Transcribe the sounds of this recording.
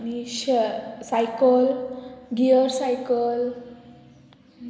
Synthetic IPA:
aniɕsajkəlɡiəɾsajkəl

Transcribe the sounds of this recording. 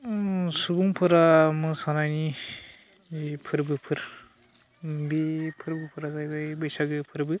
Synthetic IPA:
subuŋpʰɯɾamɯsanajni | ipʰɯɾbɯpʰɯɾ | bipʰɯɾbɯpʰɯɾazajbajbɯjsaɡɯpʰɯɾbɯ

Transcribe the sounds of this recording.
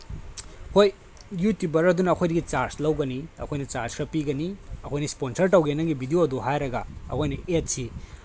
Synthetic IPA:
hoj | jutubɐɾɐdunɐːkʰojdɐɡit͡ʃaɾslɐwɡɐniɐkʰojnɐt͡ʃaɾskɾɐpiɡɐniɐkʰojnɐsponsɐɾtɐwɡenːɐɡibʱidioɐduɦajɾɐɡɐɐ̰kʰojnɐʔet̚si

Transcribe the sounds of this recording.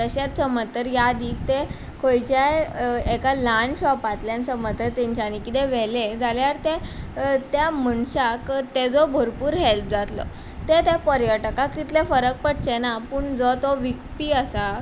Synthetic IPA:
t̪əɕat̪səmət̪ːəɾjad̪iːk̚t̪e | kʰojt͡ɕaekalanɕɔpat̪ljãnsəmət̪ːəɾt̪eɲt͡ɕanikit̪eʋɛled͡zaljaɾt̪et̪jaməɳɕakt̪ed͡zɔbʱəɾpuːɾɦelp̚d͡zat̪lɔ̰ | t̪et̪epəɾjəʈəkakt̪it̪lefəɾək̚pəɽ̚t͡ɕenapuɳd͡zɔt̪ɔʋikpiːəsa

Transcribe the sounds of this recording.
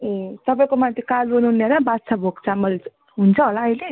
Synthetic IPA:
et̪ʌpaĩkomant̪ʰekalonuɦneɾabat͡sʰabʱoɡt͡sʰamʌl | ɦunt͡sʰʌɦolaʌjle

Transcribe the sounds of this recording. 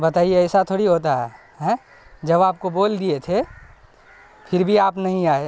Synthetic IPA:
bɐt̪aːieɛɪsat̪ʰoːɽiɦot̪aɦɛ | ɦɛ̃ | d͡ʒɐbaːp̚koboːld̪iet̪ʰe | pʰɪɾbʱiaːpnɐɦĩaːe

